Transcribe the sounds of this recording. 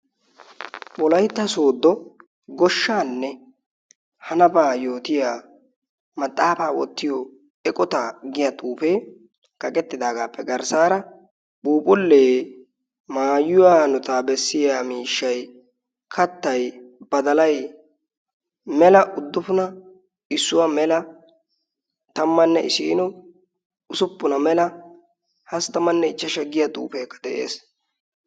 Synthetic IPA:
ɓɔlɐjt̪ːɐso̞ːd̪ːɔ | ɡɔʃːaːnːɛ | hɐnɐbaːjo̞ːt̪ɪjaː | mɐt̪ʼːaːfaːwɔ̰t̪ːɪjɔ | ɛkʼɔt̪aːɡɪjat̪ʼuːpeː | kɐkʼɛt̪ːɪd̪aːɡaːpːɛɡɐɾsaːɾɐ | ɓuːpʼʊlːeː | maːjʊwaːnʊt̪aːbɛsːɪjaːmiːʃːɐj | kʰɐt̪ːɐjb̥ɐd̪ɐlɐj | mɛlɐʔʊd̪ːʊfʊnɐ | ɪsːʊwɐmɛlɐ | t̪ɐmːɐnːɛɪsiːnɔ | ʊsʊpːʊnɐmɛlɐ | hɐst̪ɐmɐnːɛɪt͡ʃːɐʃɐɡːɪjat̪ʼṵːfeːkːɐ̥d̪ɛʔḛːs

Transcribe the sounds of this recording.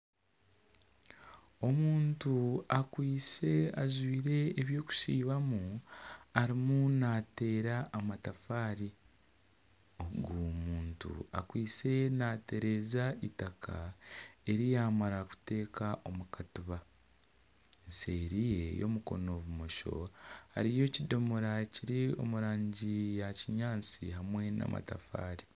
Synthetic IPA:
o̞muːntuakwiːse̞aʒwiːɾe̞ːβjo̞ːku̥siːβamu | aɾimunaːte̞ːɾaːmatafaːɾi | oɡumuːntṵa̰kwiːt͡se̞naːtʰe̞ɾe̞zaitakʰa | e̞ɾijaːmaɾaku̥te̞ːkʰaʔo̞mukatuβa | ense̞ːɾije̞jo̞̰muko̞̰no̞βumo̞ʃo̞̰ha̰ɾijo̞ːcido̞mo̞ɾaciɾio̞̰muɾaːɲɟijaciɲaːnt͡siɦamwe̞na̰mʔa̰tafa̰ːɾi

